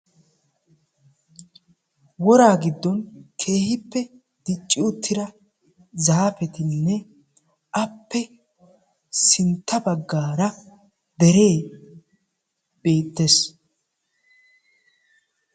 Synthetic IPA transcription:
wɔɾaːɡɪd̪ːɔnkʰe̞ːhɪpːɛ | d̪̥ɪt͡ʃʼːɪʊt̪ːɪɾɐ | zaːfɛt̪ɪnːɛ | ʔɐpːɛ | sɪnt̪ʰːɐbɐɡːaːɾɐ | d̪ɛɾe̞ː | b̥e̞ːt̪ːes

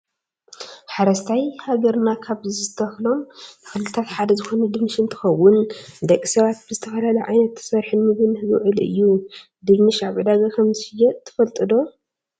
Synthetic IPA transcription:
ħaɾɐst̪ʰajhaɡɐɾnakʰaβɨzɨɨt̪ʰɐxlo̞mnɨxɨlɨlɨt̪ʰat̪ħad̪ɐzɨxo̞nɐd̪ɨβnɨʃɨnt̪ʰɨ̥xɐwːʊnd̪ɐkʼːisɐβat̪̚bɨzɨt̪ʰɐfɐlalɐjʕajnɐt̪ʰːɨ̥sɐɾħɨnmɨɡɨnhɨɡɨ̰ʕɨlɨ̰jːu | d̪ɨβnɨʃaβʕɨd̪aɡakʰɐmzɨɨjːɛt̪ʰɨ̥fɐlt̪ʼɨd̪o̞

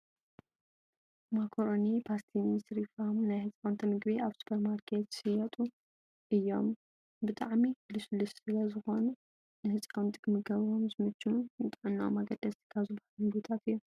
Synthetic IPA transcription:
makʰoɾonipʰast̪ʰinit̪ɾifahmunajhɨt͡sʼant̪ʰɐmɨɡbiʔaβsu̥pʰɐɾmaɾkʰet̪sɨjɐt̪ʼu | ɨjːo̞m | bɨt̪ʼa̰ʕmikluslɨsɨlɐzɨxo̞nu | nɨhɨt͡sʼant̪ʼikʰɨmɨɡɐβɾomzɨmɨt͡ʃːununɨt̪ʼaʕɨnːa̰maɡɐd̪̥ːɐst̪kʰaβzɨbħalmɨɡut̪ʰat̪ɨjːu

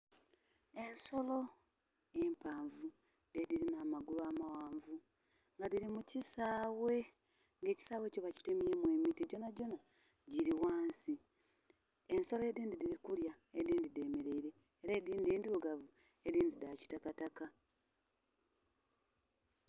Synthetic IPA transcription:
e̞nso̞lo̞ | e̞mpaːɱvu | dediɾinamaɡulaːmawaːɱvu | ŋɡadiɾimucisaːwe̞ | ŋɡe̞ːci̥saːwe̞ːco̞βaci̥temiemwe̞ːmitiɟo̞naɟo̞na | ɟiɾiwaːnsi | e̞nso̞loediːndidiɾikulja | ediːndide̞me̞ɾe̞iɾe̞ːɾeːdiːndieːndiɾoɡavu | ediːndidaci̥takataka

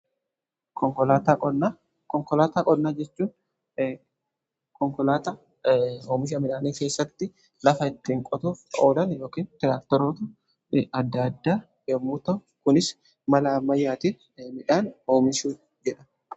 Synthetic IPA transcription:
kɔŋkɔlaːt̪aɔna | kɔŋkɔlaːt̪aːkʼɔd̪naːd͡ʒɛt͡ʃːuːn | kɔŋkɔlaːt̪a | oːmɪʃ̬ɐmɪᶑaːniːke̞ːsːɐt̪ːɪ | lɐfɐɪt̪ːiːŋkʼɔt̪uːfoːlɐnjo̞ːkiːnt̪ɪɾaːkt̪ɛɾoːt̪ʊ | ɐd̪ːɐd̪ːaː | ɛmːuːt̪ɐ | kʊnɪs | mɐlɐːmːɐjːaːt̪ɪ | mɪᶑaːnoːmɪʃuː | d͡ʒɛᶑɐ̥

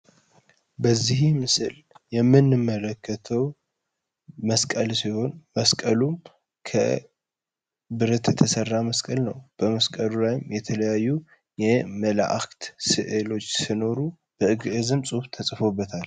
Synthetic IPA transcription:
bəzːihmɨsɨl | jɛmːɨnːɨmːələkːət̪ʰəw | məskʼəlsiho̞nməskʼəlum | kʰə̰ | bɨɾət̪jɛt̪ʰəsərːaməskʼəlnəwb̥əməskʼəlulajɪmjɛt̪ʰələjajːu | jɛmələ̰ʔa̰kt̪sɨʔɨlo̞t͡ʃːsino̞ɾu | b̥əʔɨɡʔɨzɨmsʼuft̪ʰəsʼfo̞bːət̪ʰal

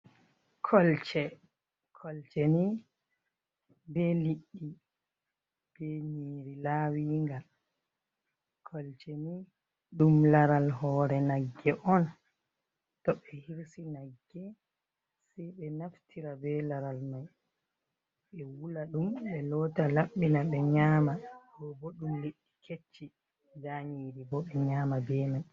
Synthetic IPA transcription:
kʰɔlt͡ʃɛ | kʰɔlt͡ʃɛni | bɛliɗːi | b̥ɛniɾilawiːŋɡal | kʰɔlt͡ʃɛni | ɗumlaɾalɦɔɾɛnaɡːɛʔɔn | tɔɓɛhiɾsinaɡːɛ | sɛjɓɛnaftʰiɾabɛlaɾalmaj | ɓɛwulaɗumɓɛlɔtalaɓɓinaɓɛɲaːmaɡɔbɔɗumleɗːikʰet͡ʃːi | daɲiːɾibɔɓɛɲaːmabɛːmaj

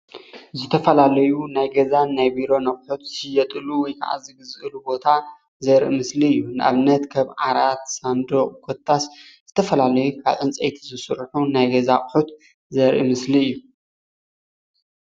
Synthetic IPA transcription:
zɨt̪ʰɐfɐlalɐjunajɡɐzanːajbiɾo̞nɐχʼħut̪sɨjɛt̪ʼɨluwɔjkʰa̰ʕa̰zɨɡɨzʔɨlubo̞t̪ʰa | zɐɾʔḭmɨsliɨjːunɨʔa̰βɨnɐt̪kʰaβʕaɾat̪sand̪oχʼkʰot̪ʰːas | z̥ɨt̪ʰɐfɐlalɐjukʰa̰βʔɨnt͡sʼejt̪ʰizɨsɨɾħunajɡɐzaχʼħut̪ | zɐɾʔḭmɨsliɨjːu

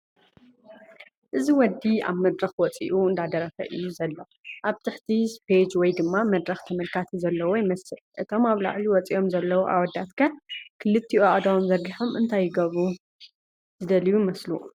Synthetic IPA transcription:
ʔɨziwɔd̪ːia̰βmɐd̪ɾɐxwɔt͡sʼḭʔuɨnd̪ad̪ɐɾɐfɐ̰ʔɨjːuzɐlːo | ʔaβt̪ʰɨħt̪ʰispʰed͡ʒwɔjd̪ɨmːamɐd̪ɾɐxt̪ʰɐmɐlkʰat̪ʰizɐlːɐwojɪmɐsɨlʔɨt̪ʰo̞maβla̰ʕliwɔt͡sʼiʔo̞mzɐlːɐwoʔa̰wɔd̪ːat̪kʰɐkʰɨlɨt̪ʰːiʔuad̪awunzɐɾɡiħomɨnt̪ʰajːɪɡɐβu | z̥ɨd̪ɐlijumɐsluʔ

